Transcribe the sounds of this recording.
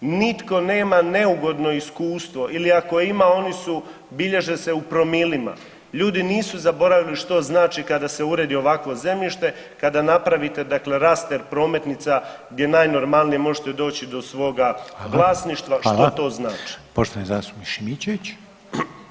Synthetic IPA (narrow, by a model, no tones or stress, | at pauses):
nit̪ko̞ne̞ːmane̞uɡo̞d̪no̞iskuːst̪ʋo̞ʔiliako̞imao̞nisu | biʎe̞ʒese̞upɾo̞milima̰ | ʎuːd̪iniːsuzabo̞ɾaʋiliʃt̪o̞znaːt͡ʃikad̪ase̞uɾe̞ːd̪io̞ʋakʋo̞ze̞mʎiʃt̪e̞ | kad̪anapɾaʋit̪e̞d̪akle̞ɾast̪eɾpɾo̞ːme̞t̪nit̪saɡd̪je̞naːjno̞ɾmalˠnijemo̞ʒet̪ed̪o̞ːt͡ɕid̪o̞sʋo̞ːɡaɡlˠaːsniʃt̪ʋaʃt̪ot̪o̞ːznaːt͡ʃi̥poʃt̪oʋanizasuiʃimit͡ɕeʋit͡ɕ